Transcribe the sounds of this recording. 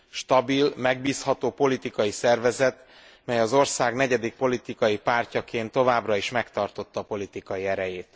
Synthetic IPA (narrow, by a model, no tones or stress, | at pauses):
ʃt̪ɒbilmɛɡ̚biːshɒt̪oːpo̞lit̪ikɒjisɛrvɛzɛt̪ | mɛjɒzo̞rsaːɡnɛɟɛd̪ik̚po̞lit̪ikɒjipaːrcɒkeːnt̪ːo̞vaːbrɒiʃmɛkt̪ɒrt̪o̞t̪ːɒːpo̞lit̪ikɒjiɛɾɛjeːt̪